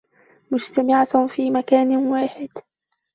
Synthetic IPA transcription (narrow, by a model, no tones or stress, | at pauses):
mʊd͡ʒt̪amɪʕafiːmakaːnwaːħɪd̪